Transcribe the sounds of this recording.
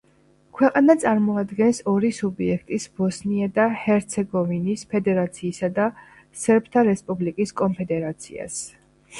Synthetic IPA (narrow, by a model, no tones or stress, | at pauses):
kʰwɛqʼanat̪sʼaɾmɔad̪ɡɛnsɔɾisubiɛkʰt̪ʼisb̥ɔsniad̪ahɛɾt̪sʰɛɡɔvinispʰɛd̪ɛɾat̪sʰiːsad̪a | sɛɾpʰt̪ʰaɾɛspʼublikʼiskʼɔmpʰɛd̪ɛɾat̪sʰḭa̰s